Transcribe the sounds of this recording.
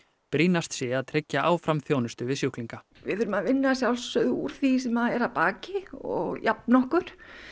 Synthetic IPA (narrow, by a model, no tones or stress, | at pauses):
pɾiːnast̪sjɛaðt̪ʰɾɪcːaʔaːwfɾamθjoːwnʏst̪ʏvɪðsjuhkliŋka | vɪ̰ðθʏɾʏmaðvɪnːasjawlsœðṵːɾ̥θisɛmaðɛɾaðpaːcɪɔ̰ɣjʔapnɔhkʏɾ̥